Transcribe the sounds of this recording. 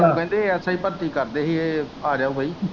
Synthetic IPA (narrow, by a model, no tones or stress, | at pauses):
õkɛ̃ːnd̪eːɛːsaːiːpəɾt̪iːkəɾd̪eːɦieː | aːɾaːuːbəiː